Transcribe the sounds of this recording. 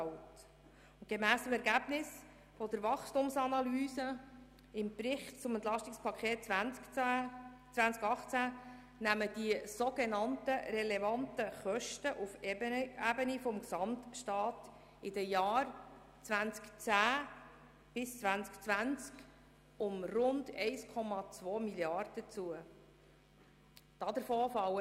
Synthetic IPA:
ɑlt | ʊnt̚ɡ̥emæːstəmɛɾɡæb̥nɪs | fɔd̪əɾvɑχstʊmsɑnɑlyːsə | ɪmbɾɪχtt͡sʊmɛnt̪lɑʃtɪkspʰɑkʰχeːt | t͡sʋænt͡skɑχt͡sæ | næməd̥iəsoɡenɑntəɾɛlevɑntəχœʃtəʔufæbənifɔmksɑmtʃtɑːt̪ | ɪdəjɑːɾ | t͡sʋænt͡skt͡sæː | b̥ɪst͡sʋænt͡skt͡sʋænt͡sk | ʊmrʊndɛɪskʰɔmɑt͡sʋɔːmiljɑrd̥ət͡suə | d̥ɑd̪əɾfoːfɑw

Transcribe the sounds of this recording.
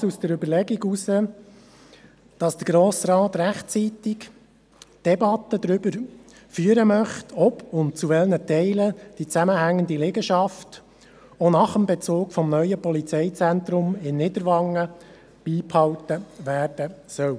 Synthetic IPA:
usd̥əɾʏbəɾlɛɡiɡusə | d̥ɑsd̥əɡɾoːsɾɑːt̪ɾæχtt͡siːt̪ɪk | d̥ɛbɑt̪əd̪ɾʏbəɾ | fyːəɾəmœχtʰɔbʊnt̚t͡suʋɛlnətɛɪləd̥it͡sæməhæŋːənd̪ileɡəʃɑft | onɑχəmbɛt͡soːkfɔmnœʏəpɔlit͡sɛɪt͡sɛnt̪ɾʊmɪnːɪd̪əɾʋɑŋːə | b̥iːphɑwtəʋæːrd̥əsœw

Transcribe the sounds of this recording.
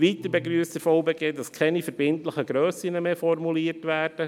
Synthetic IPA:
ʋiːt̪əbeɡɾyːst̪əfɔʊbeːɡeːdɑskʰɛnifəɾb̥ɪntləχəɡɾøːsɪnəmeːfɔrmuliːəɾtʋæːɾd̥ə

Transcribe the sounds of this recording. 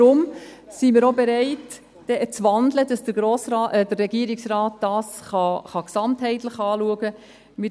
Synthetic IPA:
ɾʊm | simiːɾobɛɾɛɪt | d̥ɛʔt͡sʋɑndlədɑsd̥əɡ̥ɾoːsɾɑːʔɛdərːɛɡiəɾɪksraːtd̥ɑːsχɑχɑksɑmthɛɪtləχɑːluəɡə | mɪ

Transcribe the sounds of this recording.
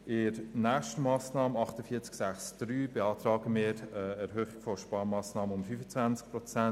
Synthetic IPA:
ɪɾnæːχʃtəmɑːsnɑːmənɑχtəfiːt͡sksæχsd̥ɾyːbɛɑːtɾɑːɡəmɪːɾəɛɾɦøːχɪɡ̥fɔʃpɑːɾmɑːsnɑːməʊmfyfət͡svænt͡sk̚pɾɔt͡sæn

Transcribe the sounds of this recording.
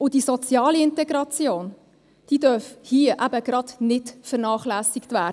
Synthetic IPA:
ʊd̥isɔt͡sjɑːliɪntɛɡɾɑt͡sjoːn | d̥iːdœɾfhiəʔæbəɡ̥ɾɑdnɪtfəɾnɑːχlæːsɪktvæː

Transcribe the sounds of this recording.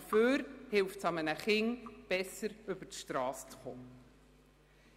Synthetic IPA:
føːɾhɪlftsɑmənəχɪŋb̥ɛsəɾʏbətʃtɾɑːst͡sχoː

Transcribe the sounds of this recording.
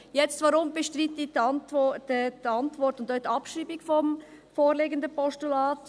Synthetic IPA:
jɛt͡stvʋɑɾʊmb̥ɛʃtɾit̪iɑntɔ̥dɑntvɔɾtʊnd̪œtɑpʃɾiːbɪɡfɔm | foːɾleːɡənd̪əpɔʃtulɑːt

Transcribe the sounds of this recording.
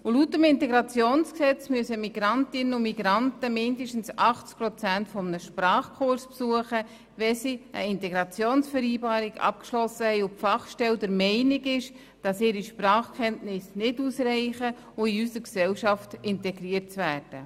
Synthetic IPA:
ʊlutəmɪntɛɡɾɑt͡sjoːnsksɛt͡smyəsəmiɡ̥ɾɑntɪnənʊmiɡɾɑntəmɪndəʃtn̩sɑχt͡sk̚pɾɔt͡sæntfɔmnəʃprɑːχkʰʊɾspsuəχə | ʋɛsiə̰ɪntɛɡɾɑt͡sjoːnsfɛɾiːbɑːɾiɡɑ̰p̚kʃlɔsːəhɛɪʊfɑχʃtɛldəɾmɛɪnɪɡɪʃ | d̥ɑsɪːɾiʃprɑːχkʰɛntnɪsnɪduːsrɛɪχə | ʊiysəɾksɛlʃɑftɪntɛɡɾiətt͡svæːɾd̥ə̰

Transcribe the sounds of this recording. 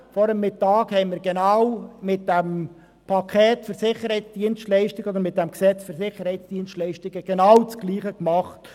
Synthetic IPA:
fɔɾəmːɪtɑːkhɛɪmɪɾɡenɑwmɪt̚d̥ɛm | pʰɑkʰɛːtfəɾsɪχəɾhɛɪt͡sd̥iənstlɛɪʃtɪɡəɔd̪əɾmɪt̚d̥ɛmksɛt͡sfəɾsɪχːəɾhɛɪt͡sd̥iənstlɛɪʃtɪɡəɡ̥enɑwt͡sɡ̥liːχəkmɑχt

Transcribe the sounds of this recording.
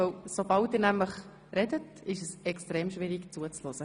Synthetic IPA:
əwsobɑltdɪːɾnæmləχ | rɛdət | ɪʃəsɛkstɾeːmʃvɪɾikt͡suət͡slɔzə

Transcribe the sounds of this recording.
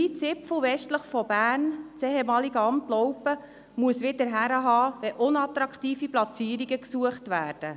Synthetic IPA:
it͡sɪpflʋɛʃtləχfɔb̥æːnt͡sɛɦemɑːliɡəɑmtlɔwpə | muəsʋɪdəɾɦæɾəɦɑːʋɛʔʊnɑt̪ɾɑkʰtiːfiplɑt͡siːɾiɡəksuəχtʋæːɾd̥ə

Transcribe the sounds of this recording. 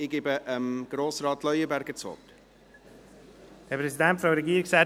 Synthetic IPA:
ɪɡ̥ɪbəʔəmɡ̥roːsrɑːtlœʏəbæɾɡət͡sɔ̰t | hɛpʰɾɛsidɛntfɾɑɾeɡiːɾɪksɛ

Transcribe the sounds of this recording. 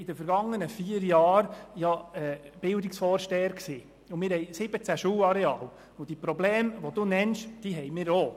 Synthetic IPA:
ɪd̥əfəɾɡɑŋːənəfiːəɾjɑːɾjɑɛb̥ɪld̪ɪksfɔːɾʃtɛːəɾksiː | ʊmɪːɾhɛjsɪb̥ət͡sæʃuːwɑɾeɑːl | ʊd̥ipɾɔblɛːmʋɔd̥̪unɛnʃd̥iɦɛjmɪːɾo

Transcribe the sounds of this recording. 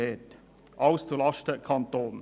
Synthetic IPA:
eːt | ʔaʊst͡sulɑʃtəkʰɑntoːn

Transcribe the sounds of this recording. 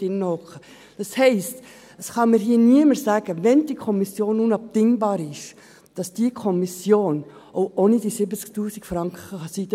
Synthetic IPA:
ɪnːɔχə | d̥ɑshɛɪst | əsχɑməɾɦiːəniəməɾsæːɡ̥əʋɛnd̥ikʰɔmisjoːnunɑp̚tɪŋbɑːɾɪʃ | d̥ɑsd̥ikʰɔmisjoːnoʊʔonid̥isɪbət͡sktuːsikfɾɑŋkχəχɑsidə

